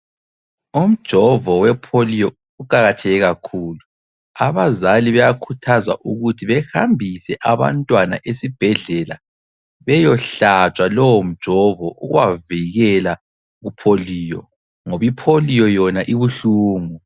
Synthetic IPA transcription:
um̩d̥ʒ̥ʱɔvɔwɛpʰolijɔ | uǃaɣatʰɛɣɛɣakʰuːlu | aβazaliβɛjakʰutʰaza̰ʔuɣutʰiβɛxambʱisɛʔaβa̰ntʼwanaʔesib̥ʱɛɮɛla̰ | βɛjɔɬat͡ʃʼwalɔwom̩d̥ʒ̥ʱɔvɔʔuɣuwaviɣɛla | ɣupʰoliːjɔ | ŋoβipʰolijɔjɔnaʔiβuɬuːmu

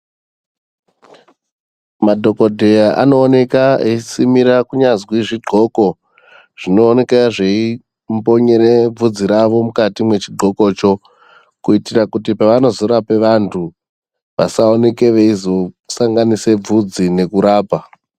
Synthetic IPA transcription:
madʱo̞ko̞dʱe̞jaʔa̰no̞ːne̞kaesimiɾakuɲazwiʐiɡ͡ǃʱo̞ko̞ | ʐ̥ino̞ːne̞kaʐei | mpo̞ɲe̞ɾeb͡vud͡ziɾaʋo̞mukatimwe̞t͡ʃiɡ͡ǃʱo̞ko̞ːt͡ʃo̞ | kuitirakutipaʋano̞zo̞ɾape̞ʋantʰu | ʋa̰saone̞ke̞ʋeizo | saŋɡanise̞b͡vud͡zine̞kuɾaːpa

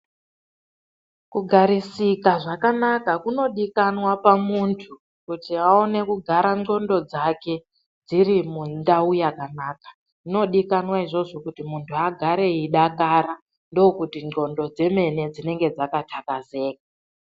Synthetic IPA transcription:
kuɡʱaɾisikaʐakanakakuno̞ɗikanwapamuntʰu | kutiao̞ne̞kuɡʱaɾano̞ndo̞d͡zake̞ | d͡ziɾimundaujakanaːkḁ | ino̞ɗikanwaiʐo̞ʐo̞kutimuntʰuaɡʱaɾe̞iɗakaɾa | ndoːkutino̞ndo̞d͡ze̞me̞ne̞d͡zine̞ŋɡe̞d͡zakatʰakaze̞ːk̚a

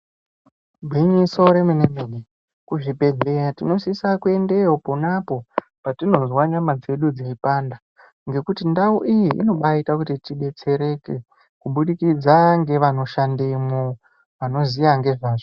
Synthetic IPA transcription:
bʱwiɲiso̞ɾe̞munemeɗe | kuʐibʱe̞ɮejatino̞sisakue̞nde̞oponapo̞ | patino̞zwaɲamad͡ze̞ɗud͡ziipanda | ŋɡe̞kutindauʔijiʔḭno̞ɓaitakutitiɓe̞t͡se̞ɾe̞ke | kuɓuɗikid͡zaŋɡe̞ʋano̞ʃandemo | ʋano̞zijaŋɡe̞ʐaːʐo

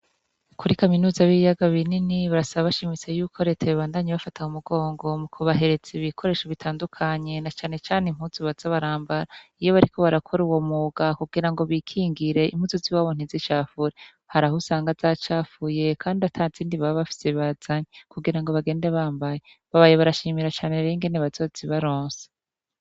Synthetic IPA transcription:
kʰuɾikaminuːzaβijaɡaβininiβaɾasaβaβaʃimit͡se̞juːkʰo̞ɾe̞t͡seβiβaːndaɲiβafatʰaumuɡo̞ːŋɡo̞mukʰuβaɦe̞ɾe̞t͡seβikʰo̞ɾe̞ːʃoβitʰaːndukʰaɲe̞nat͡ʃaːne̞t͡ʃaːnem̥huzuβaz̥aβaɾaːmbaɾaijo̞βaɾikʰo̞βaɾakʰo̞ɾuwomuɡakuɡiɾaŋɡo̞βikʰiːŋɡiɾe̞ʔḭm̥huzuziwaːβon̥izit͡ʃaːfuɾe | haɾahusaːŋɡazat͡ʃaːfuje̞kʰaːndiatʰaːziːndiβaβaβafi̥seβaz̥aɲekuɡiɾaŋɡo̞βaɡe̞ːndeβaːmbaje̞ | βaβaːjeβaɾaʃiːmiɾat͡ʃaːneɾeŋɡe̞neβazo̞z̥iβaɾoːnse̥

